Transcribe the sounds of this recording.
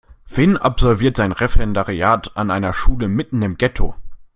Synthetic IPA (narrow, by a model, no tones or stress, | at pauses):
v̥ɪnʔa̰pz̥ɔlviːɐtz̥aɪnʁɛfɛndaʁiaːtanʔaɪnɐʃuːləmɪtn̩ɪmɡɛtʰo̰